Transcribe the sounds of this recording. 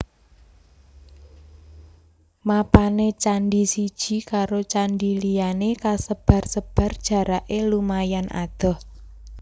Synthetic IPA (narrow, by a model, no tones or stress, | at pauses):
mapanet͡ʃaɳɖisid̥ʒ̥i̤kaɾot͡ʃaɳɖilijanekasəb̥ä̤rsəb̥ä̤rd̥ʒ̥ä̤ɾaʔelumajana̰d̪̥ɔ̤h